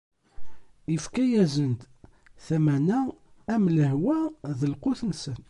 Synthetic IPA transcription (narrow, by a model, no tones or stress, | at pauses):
ifkæjæzənt̪ | θæmænæːmləhwæðəlqʊθnsən